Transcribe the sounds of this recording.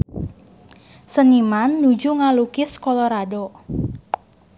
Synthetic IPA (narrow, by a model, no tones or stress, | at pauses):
sənimanːud͡ʒuŋalukɪskɔlɔɾado